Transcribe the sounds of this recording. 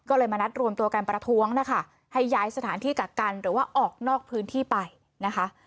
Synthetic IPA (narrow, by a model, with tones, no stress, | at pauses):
kɔː˥˩lɤː˧jmaː˧na˦˥t̪̚ɾu˧əmt̪u˧ɐka˧npɾa˧t̪ʰu˦˥əŋna˦˥kʰa˥˩ | ha˥˩jːaː˦˥jsa˧t̪ʰaː˩˦nt̪ʰiː˥˩ka˨˩ka˧nɾɯː˩˦waː˥˩ʔɔː˨˩k̚nɔː˥˩k̚pʰɯː˦˥nt̪ʰiː˥˩pa˧j | na˦˥kʰa˦˥ʔ